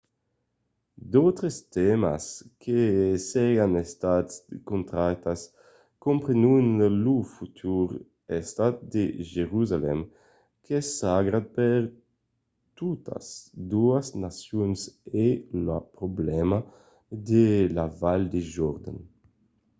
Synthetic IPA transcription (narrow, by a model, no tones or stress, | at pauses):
d̪owt̪ɾest̪ɛma̰skʰesɛjanest̪at̪skont̪ɾat̪as | kompɾenunlufut̪ʰuɾ | est̪at̪̚d̪eʒeɾuzalɛ̰m | kʰesaɡɾapeɾ | t̪ut̪ʰa̰sd̪uasnasjunselapɾoblɛma | d̪elavald̪eʒɔɾd̪a̰n